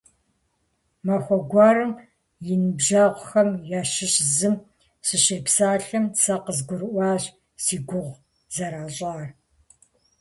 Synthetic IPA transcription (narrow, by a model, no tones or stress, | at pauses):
mɐxʷɔɡʷɑːɾɨm | jɪnɨbʒaːʁʷʊxɐmjaːʃɪɕzɨm | ɕɪɕeːpsaːɬɐmsɐqəzɡʷʊɾɨʔʷɑːɕ | siːɡʷʊʁʷ | z̥ɐɾaːɕʼaːr